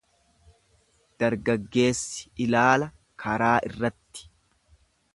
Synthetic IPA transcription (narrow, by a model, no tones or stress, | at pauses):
d̪̥ɐɾɡɐɡːe̞ːsːɪ̥ɪlaːlɐ | kʰɐɾaːʔɪrːɐt̪ːɪ̥